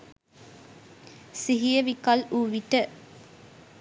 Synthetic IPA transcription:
siɦijəʋikɐluːʋiʈə

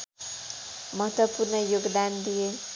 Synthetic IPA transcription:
mʌɦʌt̪wʌpurnʌjoɡd̪and̪ije

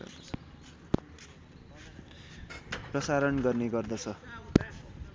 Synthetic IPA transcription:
prʌsaɾʌnɡʌrneɡʌrd̪ʌt͡sʰʌ

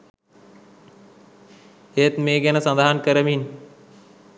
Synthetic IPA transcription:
et̪meːɡænəsand̪aɦankəɾəmin

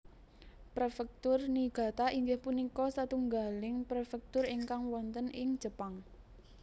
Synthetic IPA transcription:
pɾefɛk̚t̪ʊrniɡ̥a̤t̪aʔiŋɡɪhpunikɔsat̪uŋɡalɪŋpɾefɛk̚t̪ʊriŋkaŋwɔnt̪ənɪŋ̥ʒ̥ə̤paŋ

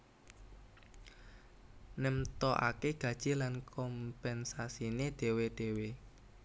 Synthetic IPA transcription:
nəmt̪ɔʔa̰keɡ̥ä̤d̥ʒ̥ilankʰɔmpɛnsasineɖ̪̥e̤weɖ̥e̤we

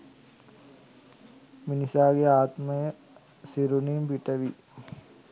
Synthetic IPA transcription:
minisaːɡeaːt̪mɐjə | siɾunimpiʈɐʋi

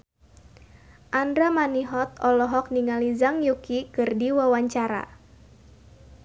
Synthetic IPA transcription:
ʔandɾamaniɦɔt̪̚ɔlɔɦɔk̚niŋalizaŋjukikɨrdiwawaɲt͡ʃaɾa̰

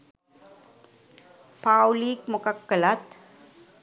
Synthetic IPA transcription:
pawlikmokakːəlat̪

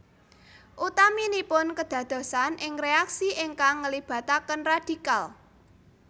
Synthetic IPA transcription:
ʔut̪aminipʊnkəd̪̥ä̤d̪̥o̤sanʔɪŋreaksiʔɪŋkaŋːəlib̥ä̤t̪akənrad̪̥i̤kal

